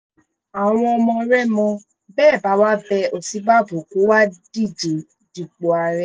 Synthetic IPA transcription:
a˨w̃ɔ̃˧ɔ˧mɔ̃˧˦ɾɛ˦mɔ̃˧ | bɛː˦˨ba˨˦wa˦bɛ˧o˨si˨˦ba˦˨bo˨ko˨˦wa˦di˦˨d͡ʒe˨ | d͡ʒi˨k͡po˨a˨ɾɛ˦

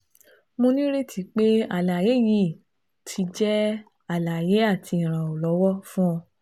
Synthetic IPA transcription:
mo˧nĩ˦ɾe˦tʰi˨˧˦k͡pe˦a˨la˨je˨˦ji˦˨ | tʰi˨˧˦d͡ʒɛ˦ | a˦˨la˨je˨˦a˦˨tʰi˧ĩ˨ɾ̃ã˨o˨lɔ˨˦wɔ˦fũ˦ɔ̃˧

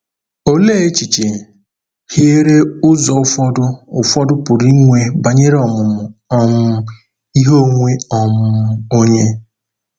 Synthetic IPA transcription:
o˦le˦e˦t͡ʃi˨t͡ʃe˨ | hi˦e˦ɾe˦ʊ˦zɔ˨ʊ˦fɔ˦dʊ˦ʊ˨fɔ˦dʊ˦pʊ˨ɾi˦ŋʷe˨ba˨ɲe˦ɾe˦ɔ˨mʊ˨mʊ˨ɔ˨mʊ˦ | i˦ɦo˦ŋʷe˦ɔ˨mʊ˦o˦ɲe˦

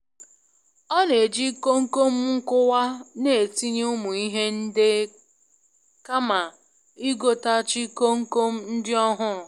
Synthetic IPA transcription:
ɔ˦ne˨d͡ʒi˦ko˦ŋ̩˦ko˦m̩˦ŋ̩˦kʊ˦wa˦ne˨ti˦ɲ˦ʊ˦mu˨i˦ɦe˦n̩˦de˦ | ka˦ma˨ | i˦ɡo˨ta˦t͡ʃɪ˦ko˦ŋ̩˦ko˦m̩˦n̩˦dɪ˦ɔ˦ɦʊ˦˨

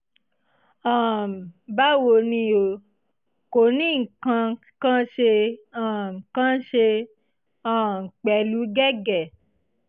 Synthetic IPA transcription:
ã˨ba˦wo˧nĩ˧o˨ | ko˨nĩ˦˨ŋ̩˨kã˧ | kã˦ʃe˧ã˨ŋ̩˨kã˦ʃe˧ | ã˨ŋ̩˨k͡pɛ˨lu˨˦ɡɛ˦ɡɛ˨

